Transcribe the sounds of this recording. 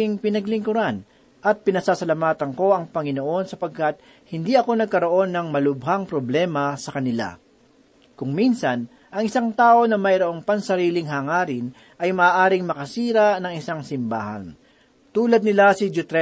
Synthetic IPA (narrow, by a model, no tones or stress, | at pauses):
ɪŋpɪnɐɡlɪŋkʊɾan | ʔɐt̪̚pɪnɐsasɐlɐmaːt̪ɐŋko̞ʔɐŋpɐŋɪnoʔo̞nsɐpɐɡ̚kat̪̚ | hɪnd̪iʔɐko̞nɐɡ̚kɐɾo̞ʔo̞nːɐŋmɐlʊb̚haŋpɾoblɛːmɐsɐkɐnɪla̰ | kʊŋminsɐn | ʔɐŋɪsaŋt̪aːʔo̞nɐmɐjɾoʔo̞ŋpɐnsɐɾiːlɪŋɦɐŋaːɾɪn | ʔɐjmɐʔaːʔaːɾɪŋmɐkɐsiːɾɐnɐŋɪsaŋsɪmba̰ːhɐ̰n | t̪uːlɐd̪̚nɪlasɪd͡ʒʊt̪ɾɛ